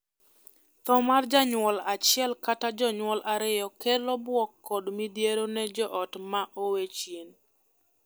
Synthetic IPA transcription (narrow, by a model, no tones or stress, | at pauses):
t̪ɔmard͡ʒaɲwɔlat͡ʃɪɛlkatad͡ʒɔɲwɔlʔaɾɪjɔkɛlɔbwɔkːɔdmidjeɾonɛd͡ʒɔʔɔtmaʔowet͡ʃjen